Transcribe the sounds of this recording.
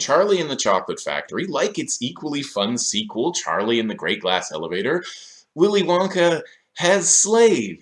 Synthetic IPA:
t͡ʃʰɑɹlˠiɨ̃nðɨt͡ʃʰɑ̰klətfæ̰k̚tʰə˞ilaɪkɨtsikwl̩ˠifʌ̃nsikʰwl̩ˠt͡ʃʰɑ̰ɹlˠiɨ̃nðɨɡɹeɪt̚ɡ̥læsɛ̰lˠəveɪɾə˞ | wɪlˠiwɑ̃ŋkɨ | ɨz̥sleɪv

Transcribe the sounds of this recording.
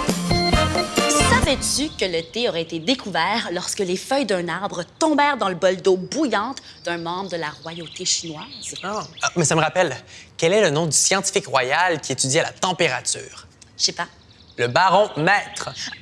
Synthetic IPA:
savɛt̪ykələt̪eɔʁɛet̪ed̪ekʰuvɛːʁlɔʁskəlefœjd̪ɛ̃naʁbʁət̪ɔ̃bɛːʁd̪ɑ̃ləbɔld̪obujɑ̃t̪ | d̪ɛ̃mɑ̃bʁəd̪əlaʁwajot̪eʃinwaːz̥amɛsaməʁapɛlkʲɛlɛlənɔ̃d̪ysjɑ̃t̪i̥fikʁwajalkʲiet̪yd̪iɛla̰t̪ɑ̃peʁat̪y̰ːʁ | ʃepa | ləbaʁɔ̃mɛt̪χ

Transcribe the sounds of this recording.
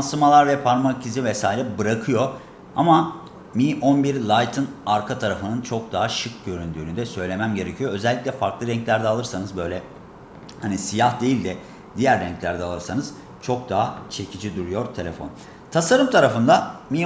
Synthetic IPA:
sɯmalˠaɾvɛpʰaɾmacʰizivɛsaːiɾʲɛbɯɾakʰɯjo̞ | ama | miʔonbiɾlˠajt̪ʰɯnaɾkʰat̪ʰaɾafɯnɯnt͡ʃʰo̞k̚d̪aɦaʃɯk̚ɟø̞ɾynd̪yːnyd̪ɛsø̞jlʲe̞mæmɟe̞ɾe̞cʰijo̞ø̞zɛlʲːiclʲɛfaɾklˠɯɾɛɲclʲæɾd̪ɛalˠɯɾsanɯzbø̞jlʲɛ | hanisijahd̪e̞jilʲd̪ɛ | d̪ijæɾːɛɲclʲæɾd̪ɛalˠɯɾsanɯz̥ | t͡ʃʰo̞k̚d̪aɦat͡ʃʰe̞cʰid͡ʒid̪uɾujo̞ɾt̪ʰe̞lʲefo̞̰n | t̪ʰasaɾɯmt̪ʰaɾafɯnd̪ami

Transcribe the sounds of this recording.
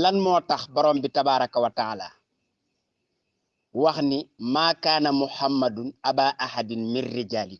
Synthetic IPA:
lanmɔːtaxbɔɾɔːmbitabaːɾakawataala̰ː | waxnimaːkaːnɐmuħamːadunabaːʔahadinminrːid͡ʒaːli

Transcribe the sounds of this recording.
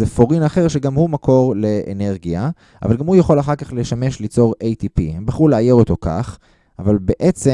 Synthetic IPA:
zefo̞ʁinaχe̞ʁʃeɡamhumakʰo̞ʁleʔḛne̞ʁɡija | a̰valɡamhujaχo̞laχaʁkaχleʃame̞ʃlit͡so̞ʁejt̪ipḭhembaχʁuleaje̞ʁo̞t̪o̞ka̰χ | avalbe̞ʔet͡se

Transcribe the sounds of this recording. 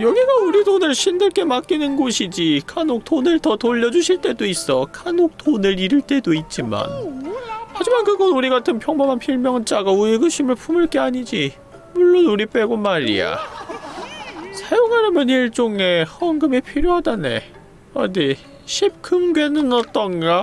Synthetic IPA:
jʌɡiɡauɾidonɯɭɕʰindɯɭk͈e̞mak͈inɯnɡoɕʰid͡ʑikʰanok̚tʰonɯɭtʌtoʎːʌd͡ʑuɕʰiɭt͈e̞dois͈ʌkʰanok̚tʰonɯɾiɾɯɭt͈e̞doit̚t͡ɕ͈ima̰n | had͡ʑimankɯɡʌnuɾiɡatʰɯnpʰjʌŋbʌmanpʰiɭmjʌŋt͡ɕ͈aɡaueɡɯɕʰimɯɭpʰumɯɭk͈e̞aɲid͡ʑi | muɭːonuɾip͈e̞ɡomaɾḭja̰ | sʰajoŋaɾɯmʌɲiɭt͡ɕ͈oŋe̞hʌŋɡɯmepʰiɾjoɦadane̞̰ | a̰ne | ɕʰip̚k͈ʰɯmɡe̞nɯnʌt͈ʌnɡa

